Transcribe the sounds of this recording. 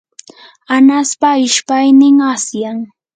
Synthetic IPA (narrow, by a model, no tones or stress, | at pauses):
anaspaɪʃpajnɪŋasjaŋ